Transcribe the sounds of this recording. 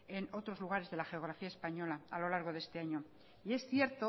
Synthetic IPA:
e̞no̞t̪ɾo̞zluɣ̞aɾe̞zðe̞laxe̞oɣ̞ɾafiaespaɲo̞laalo̞laɾɣo̞ðe̞st̪e̞aɲo̞ | ie̞sθje̞ɾt̪o

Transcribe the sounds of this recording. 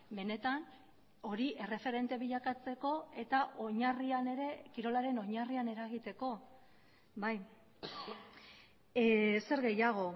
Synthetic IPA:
be̞ne̞t̪an | o̞ɾiʔe̞re̞fe̞ɾe̞nt̪e̞βiʎakat͡se̞ko̞e̞t̪aʔo̞ɲariane̞ɾe̞kiɾo̞laɾe̞no̞ɲariane̞ɾaɣ̞it̪e̞ko̞ | baj | se̞ɾɣe̞jaɣ̞o̞

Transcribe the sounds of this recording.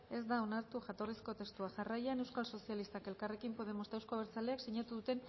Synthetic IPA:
e̞zd̪ao̞naɾt̪uʝat̪o̞risko̞t̪e̞st̪uaʝarajane̞wskalso̞sialist̪ake̞lkare̞kimpo̞ð̞e̞mo̞sd̪awskoβeɾt͡sale̞aksiɲat̪uðut̪e̞n

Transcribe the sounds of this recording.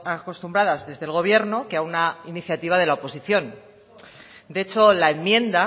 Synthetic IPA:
ako̞st̪umbɾaðazðe̞zðe̞lɣ̞o̞β̞je̞ɾno̞keaunainiθjat̪iβ̞að̞e̞laopo̞siθjo̞n | d̪e̞t͡ʃo̞lae̞mːjẽ̞nd̪a

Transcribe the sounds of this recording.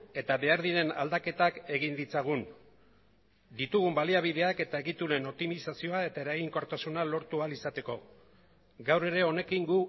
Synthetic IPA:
e̞t̪aβe̞aɾðiɾe̞na̰ld̪ake̞t̪ake̞ɣind̪it͡saɣ̞un | d̪it̪uɣumbaliaβ̞iðe̞ake̞t̪ae̞ɣit̪ule̞no̞p̚t̪imisasio̞ae̞t̪ae̞ɾaɣiŋko̞ɾt̪asunalo̞ɾt̪ualisat̪e̞ko̞ | ɡawre̞ɾe̞o̞ne̞kiŋɡu

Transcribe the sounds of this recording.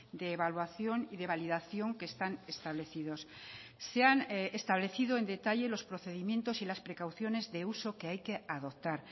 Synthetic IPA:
d̪e̞ːβalwaθjo̞niðe̞βaliðaθjo̞ŋke̞ːst̪ane̞st̪aβ̞le̞θið̞o̞sse̞anest̪aβle̞θiðoe̞nd̪e̞t̪aʎe̞lo̞spɾo̞θe̞ðimjẽ̞nt̪o̞silaspɾe̞kawθjo̞ne̞zðe̞uso̞ke̞ajke̞aðo̞p̚t̪aɾ

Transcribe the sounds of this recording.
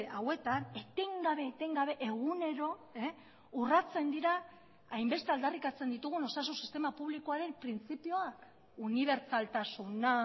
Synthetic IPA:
awe̞t̪anet̪eŋɡaβe̞t̪eŋɡaβe̞ʔe̞ɣ̞une̞ɾo̞e | urat͡se̞nd̪iɾa | ajmbe̞st̪e̞ald̪arikat͡se̞nd̪it̪uɣ̞uno̞sas̬unsi̥st̪e̞mapuβliko̞aɾe̞mpɾint͡sipio̞ak | uniβ̞e̞ɾt͡salt̪asuna

